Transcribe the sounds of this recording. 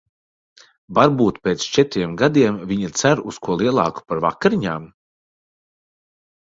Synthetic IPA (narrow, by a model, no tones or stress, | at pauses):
vaɾbuːt̪pʲeːt̪st͡ʃɛt̪ɾiɛmɡad̪iɛmvʲiɲat̪sæɾuskuɔlˠiɛlˠɑ̰ːku̥paɾva̰kaɾiɲaːm